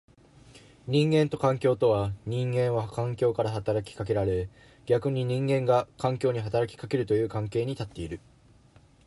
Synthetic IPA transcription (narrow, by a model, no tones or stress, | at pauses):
ɲ̟ĩŋɡẽ̞nt̪o̞kãŋkʲo̞ːt̪o̞βaɲ̟ĩŋɡẽ̞ɰ̃βakãŋkʲo̞ːkaɾaɦat̪aɾakʲi̥kak̬e̞ɾaɾe̞ | ɡʲakɯ̟ɲ̟iɲ̟ĩŋɡẽ̞ŋɡakãŋkʲo̞ːɲ̟iɦat̪aɾakʲi̥kake̞ɾɯ̟t̪o̞jɯ̟ːkãŋke̞ːɲ̟it̪at̪ːe̞iɾɯ̟